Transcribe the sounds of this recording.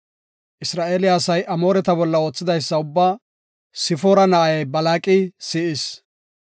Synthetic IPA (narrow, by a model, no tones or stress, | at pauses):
ʔɪsɾaːʔeːlɪjaːsɐjʔɐmo̞ːɾɛt̪ɐbɔlːɐoːt͡sːɪd̪ɐjsːɐʊbːaː | sɪfoːɾɐnɐʔɐjɐjbɐlaːkʼɪsɪʔɪs